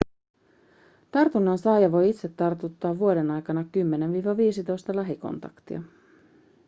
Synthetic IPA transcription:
t̪ɑrt̪unːɑnsɑːjɑʋo̞jit̪se̞t̪ːɑrt̪ut̪ːɑːuo̞denɑjkɑnɑkymːenenʋiːʋɑʋiːsit̪o̞jst̪ɑlæɦiko̞̰nt̪ɑkt̪ḭɑ

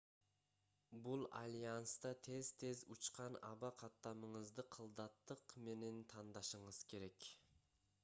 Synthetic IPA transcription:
bulˠɑ̰lʲijɑnst̪ɑt̪ʰezt̪ʰezut͡ʃqɑnɑ̰bɑqʰɑt̪ːɑməɴəzd̪ɨqʰəlˠd̪ɑt̪ːəqme̞nent̪ʰɑnd̪ɑʃəɴəz̥kʲʰe̞ɾekʲ

